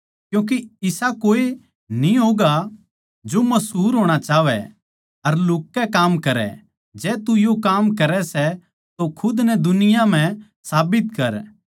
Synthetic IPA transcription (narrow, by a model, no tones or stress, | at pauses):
kjũːk̬iɪsakoːe | niɦoːɡa | d͡ʒomɐsɦuːɾɦoːɽ̃at͡ʃaːʋɛ̰ | ɐɾlʊːkːɛkaːmkɐɾɛ̰ | d͡ʒɛːt̪ujokaːmkɐɾɛsɛ | t̪okʰʊd̪nɛd̪ʊnɪjam̤ɛ̃ | saːbɪt̪kɐɾ